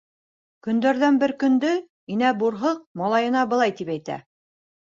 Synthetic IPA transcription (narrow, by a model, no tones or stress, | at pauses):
kɵ̆nd̪æɾðænbɘɾkɵ̆nd̪ɵ | inæbuɾɦɤq̚mɑlˠɑjɤ̆nɑbɤ̆lˠɑjt̪ipæjt̪æ̰